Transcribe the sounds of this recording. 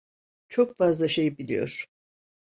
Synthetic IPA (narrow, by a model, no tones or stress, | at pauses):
t͡ʃʰo̞kfazlˠaʃe̞jbilʲḭjo̞̰ɾ̥